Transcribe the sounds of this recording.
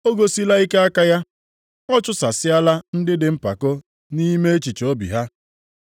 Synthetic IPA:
o˦ɡo˨si˦la˦i˦ke˦a˦ka˦ja˦ | ɔ˦t͡ʃʊ˦sa˨sɪ˦a˦la˦n̩˦dɪ˦dɪ˨m̩˦pa˨ko˦ | ni˦me˦e˦t͡ʃi˨t͡ʃo˦bḭ˨ɦa˦

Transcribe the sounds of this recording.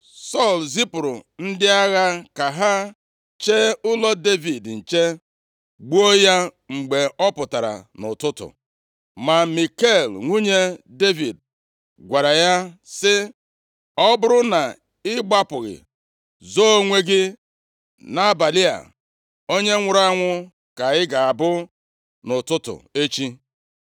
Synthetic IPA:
sɔ˦˨lzi˦pʊ˨ɾʊ˨n̩˦dɪ˦a˦ɣa˦ka˨ɦa˦ | t͡ʃe˦ʊ˦lɔ˦de˦vi˨dn̩˨t͡ʃe˦ | ɡ͡bu˦o˦ja˦ | ŋ͡m̩˨ɡ͡be˨ɔ˦pʊ˨ta˨ɾa̰˨nʊ̰˨tʊ˦tʊ̰˨ | ma˨mi˨ke˦˨lŋʷu˦ɲe˦de˦vi˨d̚ | ɡʷa˨ɾa˨ja˦sɪ˦ | ɔ˦bʊ˦ɾʊ˦na˨ | ɪ˦ɡ͡ba˦pʊ˨ɣɪ̰˨ | zo˦o˦ŋʷe˦ɡɪ˦ | na˦˨ba˨li˦a̰˨ | o˦ɲe˦ŋʷʊ˨˦ɾa˦ŋʷʊ˦ | ka˨ɪ˦ɡa˨a˨bʊ˦ | nʊ˨tʊ˦tʊ̰˨e˦t͡ʃi˦

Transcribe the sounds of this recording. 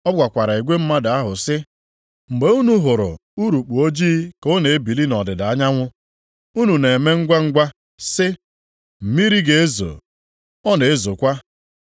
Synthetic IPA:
ɔ˦ɡ͡bʷa˨kʷa˨ɾa˨i˨ɡʷe˦m̩˦ma˦da˨a˦ɦʊ˨sɪ˦ | ŋ͡m̩˨ɡ͡be˨u˦nu˨ɦʊ˨ɾʊ̰˨u˦ɾu˨k͡pu˨o˦d͡ʒiː˦ko˦ne˨e˦bi˨li˦nɔ˨dɪ˨da˨a˦ɲa˦ŋʷʊ˦ | u˦nu˨ne˨me˦ŋ̩˦ɡʷa˦ŋ̩˦ɡʷa˦ | sɪ˦ | m̩˨mi˦ɾi˦ɡe˨e˦zo̰˨ | ɔ˦ne˨e˦zo˨kʷa˦

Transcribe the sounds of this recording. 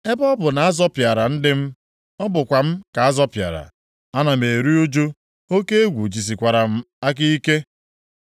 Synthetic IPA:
e˦bɔ˦bʊ˨na˨a˦zɔ˦pja˨ɾa˨n̩˦dɪ˦m̩˦ | ɔ˦bʊ˨kʷa˨m̩˦ka˨a˦zɔ˦pja̰˨ɾa̰˨ | a˦na˨me˨ɾi˦u˦d͡ʒo˦ | o˦ke˦e˦ɡʷu˨d͡ʒi˨s̬i˨kʷa˨ɾa˨m̩˦ | a˦ki˦i˦ke˦

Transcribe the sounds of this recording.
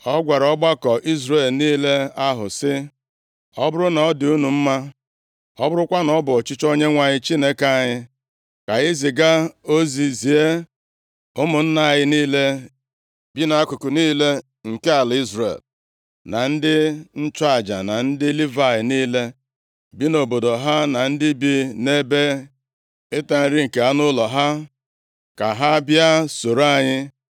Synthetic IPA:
ɔ˦ɡʷa˨ɾɔ˦ɡ͡ba˦kɔ˨ʔi˦zɾe˨lniː˦le˦a˦ɦʊ̰˨sɪ˦ | ɔ˦bʊ˦ɾʊ˦nɔ˨˦dɪ˨u˦nu˨m̩˦ma˦ | ɔ˦bʊ˦ɾʊ˦kʷa˦nɔ˨˦bʊ˨ɔ˨t͡ʃɪ˦t͡ʃo˦ɲe˦ŋʷa˨ɲɪ˦t͡ʃi˦ne˦ka˦˨ɲɪ˦ | ka˨ɣɪ˦zi˨ɡa˦o˦zi˨zi˨e˦ | ʊ˦mʊ˨n̩˦na˦a˨ɣɪ˦niː˦le˦ | bi˦na˨˦a˦kʊ˨kʊ˨niː˦le˦ | ŋ̩˨ke˦a˨li˦zrḛ˨l | na˨n̩˦dɪ˦n̩˦t͡ʃa˨d͡ʒa̰˨na˨n̩˦dɪ˦li˦va˨jɪ˨niː˦le˦ | bi˦no˨bo˨do˨ɦa˦na˨n̩˦dɪ˦bi˦ne˦be˦ | e˦ta˨n̩˨ɾi˦ŋ̩˨ke˨a˦nʊ˦lɔ˨ɦa˦ | ka˨ɦa˦bja˦so˨ɾa˦˨ɲɪ˦

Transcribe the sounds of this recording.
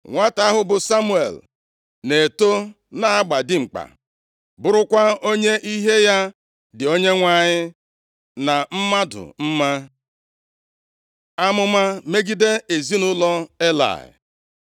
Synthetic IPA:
ŋʷa˦ta˦ɦʊ˦bʊ˨sa˦mu˦ḛ˨l | ne˨to˦ | na˦a˦ɡ͡ba˨dɪ˦ŋ͡m̩˨k͡pa̰˨ | bʊ˦ɾʊ˦kʷa˦o˦ɲe˦ʔi˦ɦe˦ja˦ | dɪ˨o˦ɲe˦ŋʷa˦˨ɲɪ˦ | na˨m̩˦ma˦dʊ̰˨m̩˦ma˦ | a˦mʊ˦ma˦me˦ɡi˦de˦e˨zi˦nʊ˦lɔ˦e˦la̰˨ɪ̰˨

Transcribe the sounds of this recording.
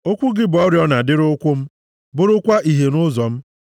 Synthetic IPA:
o˦kʷʊ˦ɡɪ˦bɔ˦ɾjɔ˦na˨dɪ˦ɾʊ˦kʷʊ˦m̩˦ | bʊ˦ɾʊ˦kʷa˦ʔi˨ɦe˨nʊ˦zɔ˨m̩˦

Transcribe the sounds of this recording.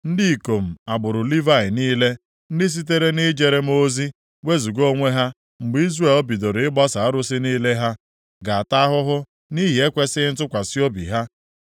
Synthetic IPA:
n̩˦di˦˨ko˨m̩˨a˨bʊ˨ɾʊ˨li˦va˦˨ɪ˨niː˦le˦ | n̩˦dɪ˦s̬i˦t̬e˦ɾe˦ni˦d͡ʒe˦ɾe˦m̩˦o˦zi˦ | we˦zu˨ɡo˦ŋʷe˦ɦa˦ | ŋ͡m̩˨ɡ͡bi˦zre˦˨lɔ˦bi˨do˨ɾɪ˦ɡ͡bɔ˦sa˨a˦ɾʊ˦sɪ˦niː˦le˦ɦa˦ | ɡa˨a˨ta˦ɦʊ˦ɦʊ˦ | ni˦ɦi˨e˦kʷe˦sɪ˦n̩˦tʊ˦kʷa˨si˦o˦bḭ˨ɦa˦

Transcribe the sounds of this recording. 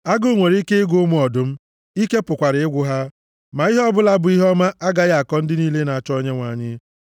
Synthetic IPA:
a˦ɡo˦˨ŋʷe˨ɾi˦ke˦ɪ˦ɡʊ˦mu˦ɔ˨dʊ˦m̩˦ | i˦ke˦pʊ˨kʷa˨ɾɪ˨ɪ˦ɡʷʊ˦ɦa˦ | ma˨i˦ɦɔ˦bʊ˦la˦bʊ˨˦i˦ɦɔ˦ma˦ʔa˦ɡa˦ɣa˨kɔ˦n̩˦dɪ˦niː˦le˦na˨a˨t͡ʃɔ˦ɲe˦ŋʷa˨ɲɪ˦

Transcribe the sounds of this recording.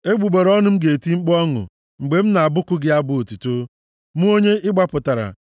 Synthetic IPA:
e˦ɡ͡bu˨ɡ͡be˨ɾɔ˦nʊ˦m̩˦ɡe˨ti˦ŋ͡m̩˦k͡pɔ˦ŋʊ̰˨ | ŋ͡m̩˨ɡ͡be˨m̩˦na˨a˨bʊ˦kʊ˦ɡɪ˦a˦bʊ˦o˨tu˨to˦ | mu˦o˦ɲe˦ʔɪ˦ɡ͡ba˦pʊ˨ta˨ɾa̰˨

